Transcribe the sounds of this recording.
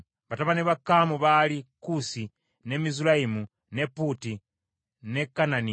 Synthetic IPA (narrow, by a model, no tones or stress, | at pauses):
βataβaniβakamuβalikusi | nemizulaimu | neputi | nekanani